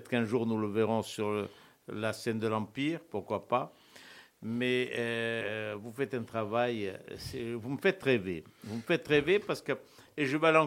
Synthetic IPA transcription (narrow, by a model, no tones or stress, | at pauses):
t̪kɛ̃ʒuʁnuləveʁɔ̃syʁ | lasɛnd̪əlɑ̃piʁpuʁkwapa | mɛø | vufɛt̪ɛ̃t̪χavajsɛvuməfɛt̪ʁevevuməfɛt̪ʁevepaʁsə̥kə | eʒəvalɑ̃